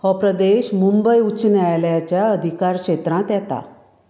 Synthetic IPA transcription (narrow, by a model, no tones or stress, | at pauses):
hɔpɾəd̪eɕmumbəjut͡snajljat͡ɕjaəd̪ʱikaɾkɕet̪ɾãt̪jat̪a̰